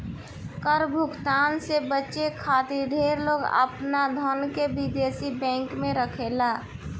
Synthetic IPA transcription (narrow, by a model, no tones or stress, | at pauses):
kəɾbʱʊkt̪aːnsebətːʃekʰaːt̪iɾɖʱeːɾloːɡə̰pnad̪ʱɔnkebɪd̪eːsibɛ̃ːŋkmẽɾəkʰeːlaː